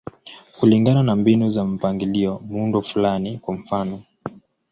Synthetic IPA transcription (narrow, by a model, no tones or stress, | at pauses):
kuliŋɡananambinuzam̩paŋɡiliɔmundɔfulanikwamfanɔ